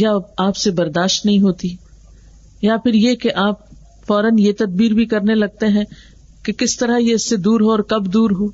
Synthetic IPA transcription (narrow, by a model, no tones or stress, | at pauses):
jaaːpsebɐɾd̪aːʃt̪nɐɦĩɦoːt̪i | japʰɪɾjekeʔaːp̚ | fɔːɾənjet̪ɐd̪̚biːɾbʱikɐɾnelɐɡ̚t̪eɦɛ̃ː | kekɪst̪ɐɾajeɪsːed̪uːɾɦoɔːɾkɐbd̪uːɾɦoː